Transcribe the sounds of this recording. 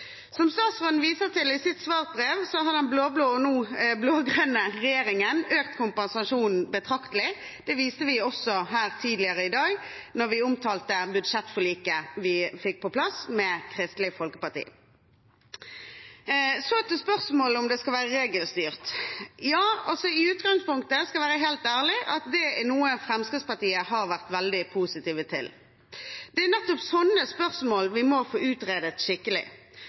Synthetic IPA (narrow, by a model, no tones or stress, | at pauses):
sɔmst̪ɑːsʁɔnʋiːsəʁt̪ʰɪlɪsɪt̪sʋɑːʁ̚bʁeːʋsɔɦɑd̪ɛnbloːbloːɔnuːbloːɡʁønəʁɛjeːɾɪŋənøːkt̪kʰʊmpɛnsɑʂuːnn̩bət̪ʰʁɑkt̪əlɪ | d̪̥ɛʋiːst̪əʋɪɔsɔɦæːʁt̪ʰiːd̪lɪəʁəɪd̪ɑːɡnɔʁʋɪʊmt̪ʰɑːlt̪əbʉd̪ʂɛt̪ːfɔɭiːkəʋɪfɪk̚pʰɔpʰlɑsmɛkʰʁɪst̪lɪfɔlkə̥pɑʁt̪ḭː | sɔɛt̪ːəspœʁsmoːləʊmd̪ɛskɑlʋæːʁəʁeːɡəlst̪yːʁt̪jɑːɔsɔɪʉːt̪ɡɑŋspʊŋkt̪əskɑlʋæːʁəɦeːlt̪æːʁlɪʔɑt̪d̪ɛɛnuːəfʁɛmskɪt̪spɑʁt̪iːəhɑʁʋæʁt̪ʋɛld̪ɪpʰuːsɪt̪iːʋət̪ʰɪl | d̪ɛænɛt̪ːɔpsɔnːəspœʁsmoːlʋɪmɔfoːʉːt̪ʁeːd̪ət̪ʃɪkːəlɪ̰